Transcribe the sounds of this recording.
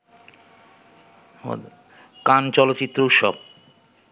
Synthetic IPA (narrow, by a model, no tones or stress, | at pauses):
kant͡ɕɔlot̪ːt͡ɕit̪ːɾouʃɔ̰b̚